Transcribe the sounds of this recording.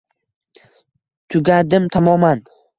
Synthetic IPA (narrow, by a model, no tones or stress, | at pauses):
t̪ʰʊɡʲad̪ɪmt̪ʰamɒman